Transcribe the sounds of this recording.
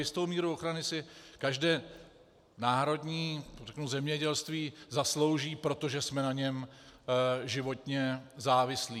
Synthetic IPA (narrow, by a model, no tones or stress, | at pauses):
jɪst̪o̞wmiːɾuoxɾanɪsɪkaʒdɛː | naːɾo̞dɲiːrɛknuzɛmɲɛɟɛlst̪viːzaslo̞wʒiːpɾo̞t̪o̞ʒɛsmɛnaɲɛm | ʒɪvo̞t̪ɲɛzaːvɪsliː